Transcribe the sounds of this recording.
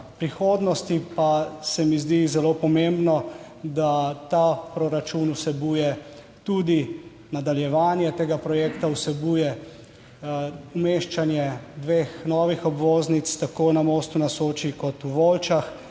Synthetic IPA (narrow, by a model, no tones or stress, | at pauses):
pɾixoːd̪nɔst̪ipasɛmizd̪izɛlopɔmembnɔ | d̪at̪apɾɔɾat͡ʃunusɛbuːjɛ | t̪ud̪i | nad̪aljɛʋaːnjɛt̪eːɡapɾɔjeːkt̪awsɛbuːjɛ | umeʃt͡ʃanjɛd̪ʋeːxnɔːʋixɔbʋoːznit̪st̪akoːnamoːst̪unasoːt͡ʃikɔt̪uʋolt͡ʃax